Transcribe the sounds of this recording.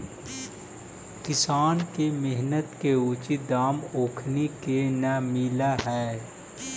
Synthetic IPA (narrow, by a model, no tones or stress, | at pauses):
kɪsaːnkemɪɦnət̪keuːt͡ʃid̪aːmoːkʰnekenamilaɦɛː